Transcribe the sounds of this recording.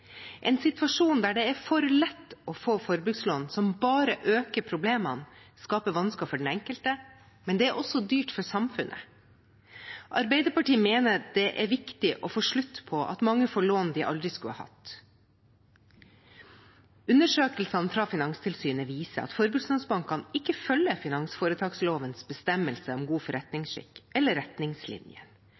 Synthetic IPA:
ʔɛːnsɪt̪ʋɑʂuːnd̪æːɖɛæɾfɔɾlɛt̪ːɔfoːfɔɾbʉɡsloːnsɔmbɑːɾəʔøːkəpʰɾʊbleːmɑnskɑːpəʋɑnskɑfɔɖɛn̩ɛŋkəlt̪ə | mɛnd̪ɛæɾʔɔsɔd̪yːʈfɔɾsɑmfʉnʔə̰ | ʔɑɾbɛɪd̪əɾpɑʈiːmeːnəd̪̥ɛʔæɾʋɪkt̪ɪʔɔfoːʂɭʉt̪ːpʰɔʔɑ̰t̪mɑŋːəfoːɭoːnd̪ɪʔɑ̰ld̪ɾɪskʉə̰hɑ̰t̪ | ʉnəʂøːkəlsɑnfɾɑfɪnɑŋst̪ʰɪlsyːnəʋiːsə̰ɑ̰t̪fɔɾbʉsnɑnsbɑŋkʰːɑnɪkːəfœlːəfɪnɑŋsfoːɾət̪ʰɑːɡsloːʋənsbəst̪ɛməlsəɔmɡuːfɔɾʔɛt̪nɪŋsʃɪ̰kːɛlːəɾɛt̪nɪŋslɪ̰njə̰n

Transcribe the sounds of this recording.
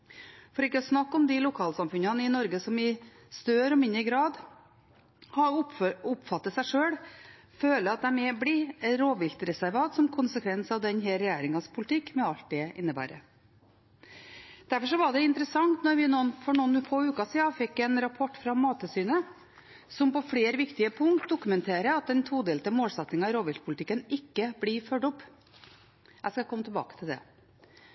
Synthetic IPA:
fɔɾɪkːəɔsnɑkːɔmd̪ɪlʊkʰɑːlsɑmfʉnɑnəɪnɔɾɡəsɔmɪ | st̪øːɾɔmɪnːəɡɾɑːd̪ | hɑʊʊpfɑt̪ːət̪sæɪʂøːɽ | føːləɑt̪̚d̪ɛmɛblɪɾoːʋɪlt̪ɾɛsæɾʋɑːt̪sɔmkʰʊnsəkʰʋɛnsɑʋd̪ɛnɦeːɾɛjæːɾɪŋɑspʰʊlɪt̪ʰɪkːmɛɑlt̪̚d̪ɛɪnːəbæ̰ːɾə̰ | d̪̥æɾfɔʂɔʋɑɖɛɪnt̪əɾəsɑŋt̪nɔɾʋɪnuːnfɔɳɔnfoːʉːkɑsiːɑfɪkːɛnɾɑpʰɔʈːfɾɑmɑːt̪ʰəsyːnə | sɔmpɔfleːɾʋɪkt̪ɪəpʰʊŋkt̪̚d̪ʊkʉmɛnt̪ʰeːɾəɑt̪̚d̪ɛnt̪ʰuːd̪eːlət̪əmoːlsɛt̪nɪŋɑɪɾoːʋɪlt̪̚pʰʊlt̪ɪkːənɪkːəblɪfœɖʊpː | æskɑkʰɔmːət̪ʰɪlbɑ̰ːkə̥t̪ʰɪld̪ɛ̰

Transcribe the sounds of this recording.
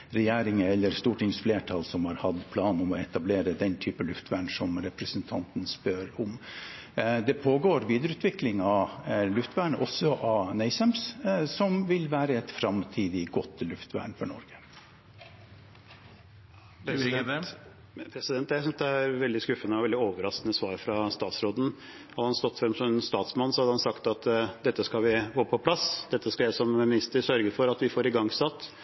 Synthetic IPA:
ɾɛjeːɾɪŋəɛlːəɾst̪uːʈɪŋsfleːʈʰɑlsɔmhɑɾhɑd̪pʰlɑːnɔmɔɛt̪ɑbleːɾəd̪ɛnt̪ʰyːpəlʉft̪ʰʋæːɳsɔmɾɛpɾəsənt̪ʰɑnt̪n̩spøɾɔm | d̪ɛpʰoːɡoːɾʋiːd̪əɾʉːt̪ʋɪklɪŋɑlʉft̪ʋæːɳəʔɔsːɔʔɑnæɪsæmssɔmʋɪlʋæːɾəɛt̪fɾɑmt̪ʰiːd̪ɪɡɔt̪ːlʉft̪ʋæ̰ːɳfɔɳɔ̰ɾɡə̥ | pʰɾɛsɪd̪ɛnt̪æɪsʏnsd̪ɛæɾʋɛld̪ɪskʉfːənəɑʋɛld̪ɪoːʋəɾɑsknəsʋɑːɾfɾɑst̪ɑːt̪sɾoːd̪n̩ | hɑd̪əhɑnst̪ɔt̪ːfɾɛmsɔmɛnst̪ɑːt̪smɑnːsɔhɑd̪əhɑnsɑkt̪ɑt̪d̪ɛt̪ːəskɑʋɪɡoːpʰɔpʰlɑsd̪ɛt̪ːəskɑjæsɔmmɪnɪst̪əɾsœɾɡəɾfɔɾɑt̪ʋɪfoːɾɪɡɑŋːsɑt̪ː

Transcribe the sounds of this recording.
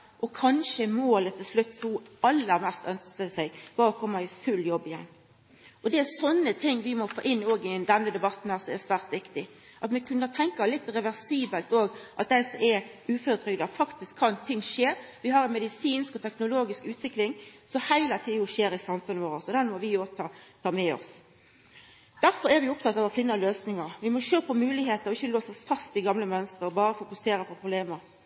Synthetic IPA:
ʔɔkʰɑnʃəmoːlət̪ʰːɪlslʉt̪ːsɔɑlːəʁmɛst̪œnsət̪əsæɪbɑːɾɔkʰɔmːɑɪfʉljɔbːɪjɛnː | ɔd̪ɛæsɔnːət̪ʰɪŋːʋɪmɔfo̰ːʔɪnːoːɡɪd̪ɛnːəd̪ɛbɑt̪n̩hæsɔɛsʋæːɾt̪ʋɪkt̪ɪ | ʔɑt̪mɛkʰʉnːət̪ʰɛŋkɑlɪt̪ːɾɛʋæɾsiːbəlt̪oːɡʔɑt̪̚d̪ɛsɔɛʉːføːɾət̪ʰɾʏɡd̪ɑfɑkt̪ɪskʰːɑnt̪ʰɪŋːʂeːɾ | ʋɪɦɑɾɛnmɛd̪ɪsiːnskɔt̪ʰɛknʊloːɡɪskʉːt̪ʋɪklɪŋsɔmhæɪlət̪ʰiʊʃeːɾɪsɑmfʉnːəʋoːɾəsɔd̪ɛnmɔʋɪoːt̪ʰɑt̪ʰɑːmɛɔ̰s | d̪̥æɾfɔɾɛɾʋɪʊp̚t̪ʰɑt̪ːɑːʋɔfɪnːəløːsnɪŋəɾʋɪmɔʃøːpʰɔmʉːlɪheːt̪əɾɔɪçːəloːsɔsfɑst̪ɪɡɑmləmœnst̪ɾəɔbɑːɾəfʊkʉseːɾəpʰɔpʰɾʊbleːməɾ

